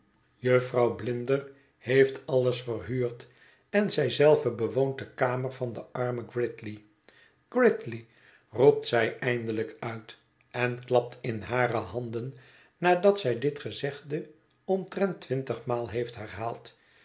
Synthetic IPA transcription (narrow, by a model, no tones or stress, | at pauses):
jøfrɑwblɪndər | hejftɑlˠəsfərɦyːɹt | ɛnzɛjzɛlˠvəbəʋownt̚dəkaːmərvɑndəʔɑɹməɡrɪtli | ɡ̥rɪtli | rup̚tsɛjʔɛjndələkœɥt | ɛnklɑp̚tʰɪnɦaːrəɦɑndən | naːdɑtsɛjdɪtχəzɛχdə | ɔntrɛntʋɪntəχmaːlˠɦejftɦɛrɦaːlˠt